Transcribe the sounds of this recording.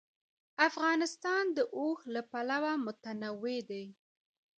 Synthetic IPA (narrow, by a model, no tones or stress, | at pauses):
afɣɑnɪst̪ɑnd̪əʔohlapalawamʊt̪anawed̪aj